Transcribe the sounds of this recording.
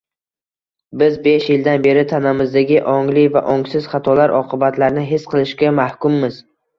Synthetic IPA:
bɪzbe̞ʃjɪld̪anbe̞ɾɪt̪ʰanamɪzd̪aɡʲɪʔɒŋlɪva̰ʔɒŋsɪzχat̪ʰɒlaɾʔɒqʰɨbat̪ʰlaɾnɪɦɪsqʰɨlˠɪʃkʲamahkʲʊmːɪz̥

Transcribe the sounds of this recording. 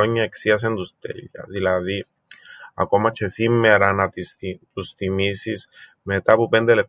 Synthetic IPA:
oɲːaeksias̬end̪ust̪ḛʎa̰ðilaði | a̰komat͡ʃesimːeaɾanat̪isit̪ust̪imisismet̪apupend̪ele

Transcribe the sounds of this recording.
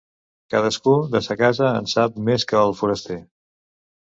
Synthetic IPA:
kaðəskuðəsəkazəənsap̚meskəːlˠfuɾəst̪e

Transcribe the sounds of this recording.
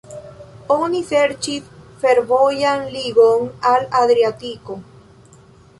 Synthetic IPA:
onifeɾt͡ʃit̪feɾβojanliɣoŋalaðɾjat̪iko

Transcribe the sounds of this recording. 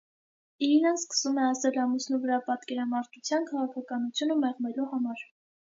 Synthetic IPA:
iinɑnskə̥sumɛɑsɛlɑmusnuvəɾɑpɑt̪kɛɾɑmɑɾt̪ʰut͡sʰjɑnkʰɑʁɑkʰɑkɑnut͡sʰjunəmɛʁmɛluhɑmɑɾ

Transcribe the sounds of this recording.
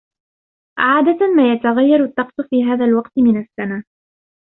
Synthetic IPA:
ʔʕaːd̪amaːjat̪aɣajːɑɾˤat̪ːɑqsʊfiːɦaːðalwɑqt̪ɪmɪnasːanaː

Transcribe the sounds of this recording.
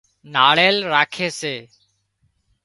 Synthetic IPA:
naːɭeːlɾaːkʰeːseː

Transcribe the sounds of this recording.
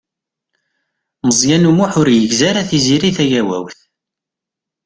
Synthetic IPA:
məzˤjænumuħʊɾjəʝzaɾæθiziɾiθæʝæwæ̰wθ

